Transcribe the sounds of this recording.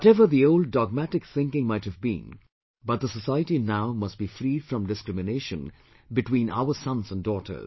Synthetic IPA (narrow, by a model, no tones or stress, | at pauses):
wɔtɛvəɾðioʊld̚ːɔɡ̚mæʈɪkθɪ̃ŋkɪ̃ŋmaɪthɨvbḭ̃n | bʌt̪̚d̪əsəsaɪəʈinaʊmʌst̚b̥ifɾiːd̥fɾʌ̃mɖɪskɾɪmɨneɪʃə̃n | bɨʈwĩːnʔa̰ʊə˞sʌ̃nzə̃ndɔːtʰə̰˞z